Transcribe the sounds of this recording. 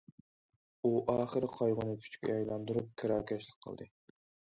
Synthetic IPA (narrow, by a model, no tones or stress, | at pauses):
uʔɑːχəɾqʰɑjʁʊnɨkʲʰy̥t͡ʃkʲɛ̰jɛjlˠɑnd̪uɾup̚kʰɪɾɑːkʲɛʃlˠɪk̚ʲqʰə̰lˠd̪ɨ